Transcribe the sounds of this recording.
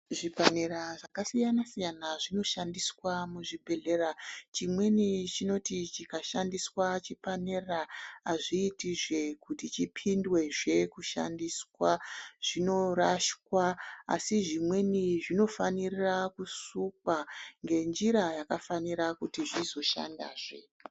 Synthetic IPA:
ʐipaneɾaʐakasijanasijanaʐino̞ʃandiswamuʐibʱe̞ɮe̞rat͡ʃimwe̞nit͡ʃino̞tit͡ʃikaʃandiswat͡ʃipane̞raːʐiːtiʐe̞kutit͡ʃipʰindwe̞ʐe̞kuʃa̰ndiswaʐ̥ino̞raʃkwaa̰siʐimwe̞niʐino̞fanirirakusukwaŋɡe̞nd͡ʒiɾajakafaniɾakutiʐizo̞ʃa̰nda̰ːʐe̞̰

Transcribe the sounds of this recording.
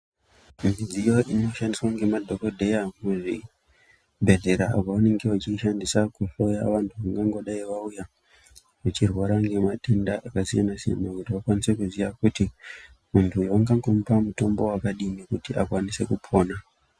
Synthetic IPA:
mid͡zijo̞ʔino̞ʃandiswaŋɡe̞madʱo̞ko̞dʱe̞jamweʐi | bʱe̞ɮe̞ɾa̰ːkaane̞ŋɡe̞wat͡ʃiʃandisakuɬo̞ja̰ʋantʰuʋaŋɡaŋɡo̞ɗaiʋauja | ʋut͡ʃirwaɾaŋɡe̞mate̞ndaʔakasija̰nasija̰nakutiʋakwanise̞kuziʋakuti | muntʰujaŋɡaŋɡomupamuto̞mbo̞wakaɗinekutiʔakwanise̞kupʰo̞ːna

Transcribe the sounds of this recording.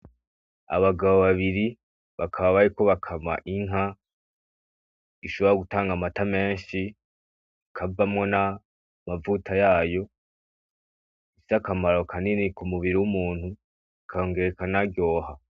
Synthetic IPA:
a̰βaɡaβoβaβiɾi | βakʰaβaβaɾiko̞βakʰama̰ʔiŋ̥ɦa | iʃo̞βoɾaɡutaːŋɡamatame̞ːɲʃi | kʰavamŋo̞na | mavutʰajaːjo̞ | sakamaɾo̞kʰaninikumuβiɾiwumuːnhu | kʰajo̞ːŋɡe̞ɾekanaɡɡjo̞ːha

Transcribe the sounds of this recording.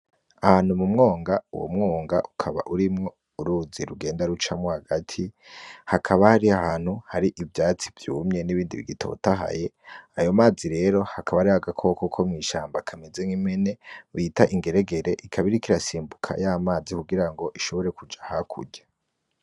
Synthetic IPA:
ahaːn̥humumŋo̞ːŋɡauwo̰mŋo̞ːŋɡa̰ʔukʰaβa̰ʔuɾimŋo̞ | uɾuːziɾuɡe̞ːndaɾut͡ʃamohaɡatʰi | hakʰaβahaɾiahaːn̥huhaɾiʔivjaːt͡si̥vjuːmɲe̞niβiːndḭβḭɡitʰo̞̰taɦa̰je̞ | ajo̞maːziɾe̞ɾo̞hakaβaɾihaɡakʰo̞kokʰomŋiːʃaːmbakʰamezeŋimene̞ujitaʔiŋɡe̞ɾeɡe̞ɾeʔikʰaβiɾikiɾasiːmbukʰa̰jaːmaːzikuɡiɾaŋɡo̞ʔiʃo̞βo̞ɾe̞kud͡ʒahakʰṵɟḁ

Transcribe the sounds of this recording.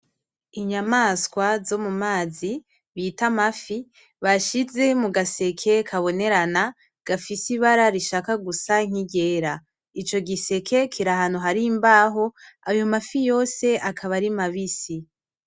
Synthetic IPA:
iɲamaːskwazo̞mumaːzi | βitamafi | βaʃize̞muɡase̞kʰe̞kʰaβo̞ne̞ɾana | ɡ̥afisiβaɾaɾiʃaːkaɡusaŋ̥iɟe̞ːɾa | it͡ʃo̞ɡise̞kʰe̞kʰiɾahanuɦaɾimbaɦo̞ajo̞mafijo̞ːse̞ʔakʰaβaɾimaβisi

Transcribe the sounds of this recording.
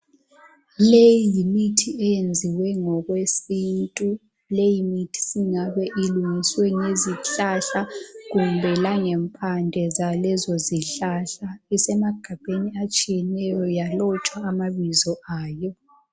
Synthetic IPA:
lejjimitʰiɛjend͡zʱiwɛŋɔɣwesintʼu | lejimitʰi̥siŋaβɛʔiluŋiswɛŋeziɬaɬaɣumbʱɛlaŋɛmpʰandʱɛzalɛzɔziɬaɬaisɛmaɡ̥ʱab̥ʱeniat͡ʃʼijɛnɛjɔjalɔt͡ʃʼwaːmaβizɔaːjɔ

